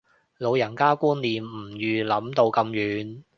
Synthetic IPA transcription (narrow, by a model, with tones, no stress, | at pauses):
lo˨˧wjɐ˨˩nkaː˥kuː˥nliː˨mm̩˨˩jyː˨lɐ˨˥mt̪o˧wkɐ˧mjyː˨˧n